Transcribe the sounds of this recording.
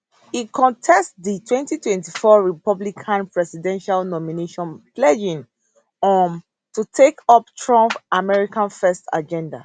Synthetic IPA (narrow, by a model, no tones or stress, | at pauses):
ikʰɔ̃ntʰɛstditʰwɛ̃ntitwɛ̃ntifɔɹipɔblikʰãnpɹɛsidɛ̃nʃalnɔmineʃɔ̃nplɛd͡ʒĩn | ɔn | tutʰekɔptʰɹɔ̃mpʔamɛɹikãnfɛsta̰d͡ʒɛ̃nda̰